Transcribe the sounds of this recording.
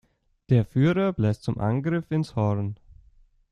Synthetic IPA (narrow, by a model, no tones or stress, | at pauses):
d̥eːɐfyːʁɐblɛst͡sʊmʔa̰nɡʁɪfɪnshɔʁn